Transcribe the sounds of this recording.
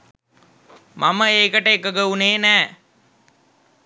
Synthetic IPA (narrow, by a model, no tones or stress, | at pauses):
mʔaməeːkəʈəekəɡəuneːnæː